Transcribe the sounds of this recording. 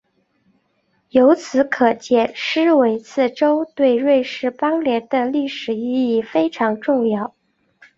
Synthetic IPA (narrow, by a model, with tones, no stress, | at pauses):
jo˧˥ʊt͡sʰɹ̩˧˥kʰɤ˨˩t͡ɕjɛ˥˩ʂɻ̩˥we˧˥ɪt͡sʰɹ̩˥˩ʈ͡ʂo˥ʊt̪we˥˧ɪɻwe˥˧ɪʂɻ̩˥˩pɑ˥ŋljɛ˧˥nd̪ə˧li˥˩ʂɻ̩˨˩i˥˧˥i˥˩fe˥ɪʈ͡ʂʰɑ˧˥ŋʈ͡ʂʊ˥˧ŋjɑ˥˩ʊ